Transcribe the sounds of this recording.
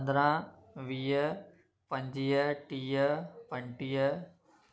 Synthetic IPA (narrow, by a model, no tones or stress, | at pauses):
nd̪ɾãː | ʋiːjə | pɐ̃ɲd͡ʑijəʈiːəpɐ̃ɳʈiːə